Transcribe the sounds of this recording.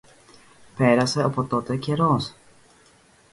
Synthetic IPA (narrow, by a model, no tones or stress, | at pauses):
pe̞ɾɐse̞opo̞t̪o̞t̪e̞ce̞ɾo̞s